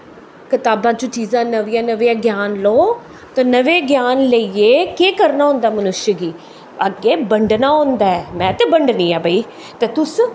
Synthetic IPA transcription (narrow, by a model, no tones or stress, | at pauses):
kɪt̪aːbãːt͡ʃõːt͡ʃiːzãːnəʋiːãːnəʋeːãːɡjaːnloː | t̪ãːnəʋeːɡjaːnləieːkeːkəɾnaːɦʊ̃ːnd̪aːmənʊʃjəɡiː | əɡeːbəɳɖnaːɦõnd̪aːɛːmɛ̃ːt̪eːbəɳɖniːãːbʱəiː | t̪eːt̪ʊs